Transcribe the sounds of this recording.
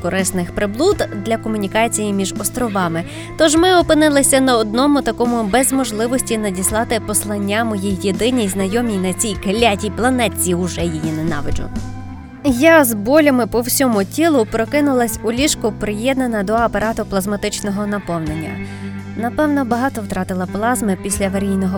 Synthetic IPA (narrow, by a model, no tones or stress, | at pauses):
kɔɾɪsnɪxpɾɪblˠud̪d̪lʲɐkɔmʊnʲikɑt͡sʲijimʲiʒɔst̪ɾɔʋɑmɪ | t̪ɔʒmɪɔpɪnɪlˠɪsʲɐnɐɔd̪̚nɔmʊt̪ɐkɔmʊbɛzmɔʒlˠɪʋɔsʲtʲinɐdʲislˠɑt̪ɪpɔslˠɐnʲːamɔjijːed̪ɪnʲijznɐjɔmʲijnɐt͡sʲijkelʲatʲiplˠɐnɛt͡sʲiʊʒɛjijinɛnɑ̰ʋɪd͡ʒʊ̰ | jazbɔlʲɐmɪpɔwsʲɔmʊtʲilˠʊpɾɔkɪnʊlˠɐsʲʊlʲiʃkʊpɾɪjɛd̪nɐnɐd̪ɔɐpɐɾɑt̪ʊplˠɐzmɐt̪ɪt͡ʃnɔɦɔnɐpɔwnenʲːɐ̰ | nɐpɛwnɔbɐɦɑt̪ɔwt̪ɾɑt̪ɪlˠɐplˠɑzmɪpʲisʲlʲɐʋɐɾʲijnɔɦɔ